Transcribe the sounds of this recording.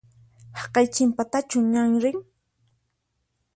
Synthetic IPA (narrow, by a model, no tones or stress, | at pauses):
hɑqɑjt͡ʃɪmpat̪at͡ʃʊɲaŋɾɪŋ